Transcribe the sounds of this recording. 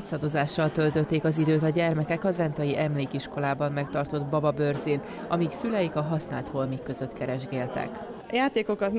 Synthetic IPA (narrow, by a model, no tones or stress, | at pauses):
sɒd̪o̞zaːʃːɒlt̪ø̞lt̪ø̞t̪ːeːkɒzid̪øːt̪ɒɟɛrmɛkɛkɒzɛnt̪ɒjiʔɛmleːkiʃko̞laːbɒmːɛkt̪ɒrt̪o̞d̪bɒbɒbørziːn | ɒmiksylɛjikɒɦɒsnaːlt̪ho̞lmikːø̞zø̞t̪kɛɾɛʒɡeːlt̪ɛ̰k | jaːt̪eːkokɒt̪n